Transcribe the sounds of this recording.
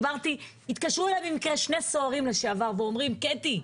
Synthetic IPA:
vaʁt̪i | it̪kaʃʁuelabimikʁeʃne̞so̞aʁimleʃeavaʁveo̞mʁimket̪i

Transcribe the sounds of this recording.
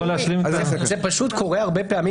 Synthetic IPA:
oleaʃlimzepaʃut̪ko̞ʁeaʁbepeami

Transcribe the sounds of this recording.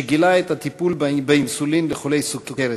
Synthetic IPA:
eɡilaet̪hat̪ipulbbeimsulimleχo̞lejsuɡ̚t̪okeɾe

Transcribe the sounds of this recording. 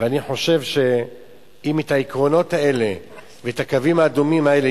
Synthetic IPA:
veaniħo̞ʃe̞vʃe̞ | imet̪aikʁo̞no̞t̪hae̞le̞ | vet̪akavimaːdumimae̞le

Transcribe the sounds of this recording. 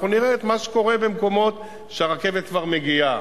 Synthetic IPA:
uniʁeːt̪maʃe̥ko̞ʁe̞be̞mko̞mo̞t̪ | ʃeaʁake̞vet̪̚kvaʁme̞ɡia

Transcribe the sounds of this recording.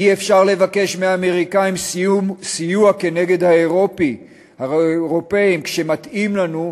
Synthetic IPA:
iefʃaʁle̞vake̞ʃmeaːme̞ʁikaimsijuake̞ne̞ɡe̞d̪haeʁo̞pi | haʁo̞peimkʃe̞mat̪imlanu

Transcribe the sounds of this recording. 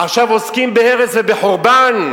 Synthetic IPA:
aχʃavoskimbeeʁet͡svebeħoʁban

